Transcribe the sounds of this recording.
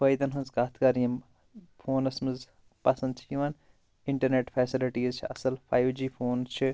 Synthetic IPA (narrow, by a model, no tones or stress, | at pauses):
fɐjd̪ɐnɦunzkaːt̪ʰkɐɾiɐm | pʰoːnɐsmɨz | pɐsɐnd̪t͡ʃʰjiʋɐn | iɳʈɐɾneːʈpʰɛːsiliʈiːzt͡ʃʰiɐ̰sɐlpʰaːjʋd͡ʒiːpʰoːnzt͡ʃʰi